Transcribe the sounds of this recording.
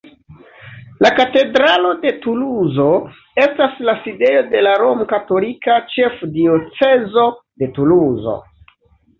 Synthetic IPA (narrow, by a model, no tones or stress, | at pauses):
lakate̞dɾalo̞de̞tuluzo̞ | e̞staslaside̞jo̞de̞laɾo̞mkato̞likat͡ʃe̞fdio̞t͡se̞zo̞de̞tuluzo̞̰